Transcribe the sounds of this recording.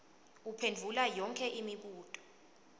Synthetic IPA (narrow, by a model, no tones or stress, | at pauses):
upʰend͡vʱulajɔŋkʰɛʔimiɓuːtʼɔ̥